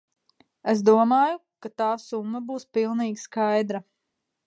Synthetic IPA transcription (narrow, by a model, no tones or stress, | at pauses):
esd̪uɔmaːjukat̪aːsumːɐbuːspilˠniːɡʲskajd̪ɾa